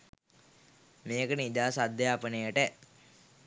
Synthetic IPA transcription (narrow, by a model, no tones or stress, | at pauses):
meːkənid̪aːsad̪ːejaːpənejəʈə